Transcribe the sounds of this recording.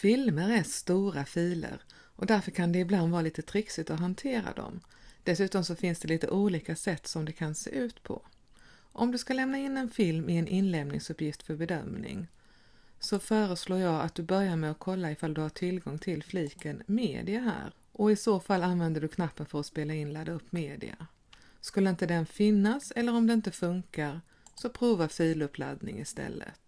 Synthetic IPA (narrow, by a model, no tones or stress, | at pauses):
fɪlməɾæst̪uːɾafiːlə̰ɾ | ʔɔd̪æɾfœɾkʰand̪ɛɪbland̪vɑːɾaliːt̪ət̪ʰɾɪksɪt̪ɔɦant̪ʰeːɾa̰d̪ɔ̰m | d̪̥ɛsʉ̟ːt̪ɔmsɔfɪnsd̪ɛliːt̪ə̰ʔuːliːkasɛt̪ːsɔmd̪ɛkʰansḛːʔʉ̟ːt̪pʰɔ̰ | ʔɔmd̪ɵskalɛmnaɪnːɛnfɪlmɪɛnʔɪnlɛːmnɪ̰ŋsɵpːjɪft̪fœɾbɛd̪œ̰mnɪ̰ŋ | sɔfœːɾəsloːɾjɑːa̰t̪̚d̪ɵbœɾjaɾmɛɔkʰɔlːaɪfald̪ɵhaʈʰɪlɡɔŋt̪ʰɪlfliːkənmḛːd̪ɪaɦæ̰ːɾ | ʔɔɪsoːfalːanvɛnd̪əɖɵkʰnapːənfœɾɔspeːlaɪnlad̪aɵpːmeːd̪ɪ̰a̰ | skɵlːəɪnt̪əd̪ɛnfɪnːasɛlːəɾɔmd̪ɛɪnt̪əfɵŋkaɾ | sɔpʰɾuːvafiːlɵpʰla̰d̪nɪ̰ŋɪst̪ɛ̰lːə̰t̪